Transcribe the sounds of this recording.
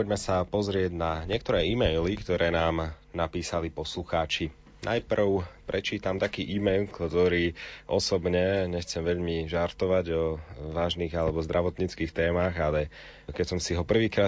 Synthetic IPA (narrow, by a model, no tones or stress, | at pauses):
pɔɟmɛsapɔzɾɪɛɟnaɲɪɛk̚t̪ɔɾɛːimɛjlikt̪ɔɾɛːnaːmnapiːsalipɔsluxaːt͡ʃi | nʔajpr̩ʊpɾɛt͡ʃiːt̪amt̪akiːʔiːmɛjlˠkt̪ɔɾiːʔɔsɔbɲɛɲɛxt͡sɛmʋɛʎmiʒaɾt̪ɔʋaɟɔʋaːʒniːɣalɛbɔzd̪ɾʔaʋɔt̪ɲit͡skiːxt̪ɛːmaːɣalɛ | kɛcsɔmsiɦɔpr̩ʋiːkɾaː